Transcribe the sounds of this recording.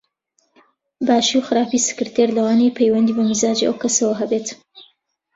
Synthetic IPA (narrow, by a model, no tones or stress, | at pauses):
baːʃiwxɨɾaːpisɨ̥kɨɾt̪ʰeɾlɐwaːnejpʰejwɐnd̪iːbɐmɨzaːd͡ʒiʔɐ̰wkɐsɐwɐɦɐbet̪